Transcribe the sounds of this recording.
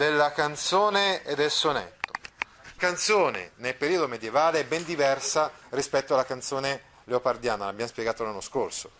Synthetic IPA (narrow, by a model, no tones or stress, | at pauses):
d̪elːakant̪soːneed̪ːelsonḛt̪ːo̥ | kant̪soːnḛnelpeɾiːod̪omed̪jevaːleɛbːɛnd̪ivɛrsarispɛt̪ːoalːakant̪soːne | leopard̪jaːnalabːjamospjeɡaːt̪olanːoskorso